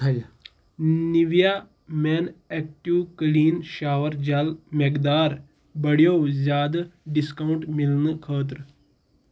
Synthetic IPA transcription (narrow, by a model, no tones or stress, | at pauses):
niʋjaː | mɛːnɛːk̚ʈiwkliːnʃaːʋəɾd͡ʒɐlmekd̪aːɾ | bɐɽjoːzjaːd̪ɖɪskawʊɳʈmɪlnəkʰəːt̪̬ɾ